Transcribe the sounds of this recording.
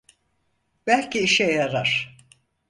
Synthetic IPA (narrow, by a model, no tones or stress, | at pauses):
b̥ælʲciiʃɛjaɾaɾ̥